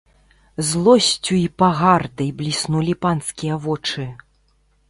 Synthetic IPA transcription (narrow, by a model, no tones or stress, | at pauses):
zlˠɔsʲt͡sʲuipaɣard̪ɐjblʲisnulʲipanskʲijɐvɔt͡ʂɨ